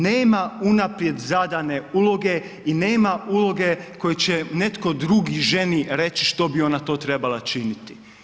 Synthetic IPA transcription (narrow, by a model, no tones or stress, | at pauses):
ne̞ːmaunapɾje̞d̪zad̪ane̞ulˠo̞ɡe̞ | ine̞ːmaulo̞ɡe̞ko̞jet͡ɕene̞t̪ko̞d̪ɾuɡiʒe̞niɾe̞t͡ɕiʃt̪o̞bio̞nat̪o̞ːt̪ɾe̞balat͡ʃinit̪i̥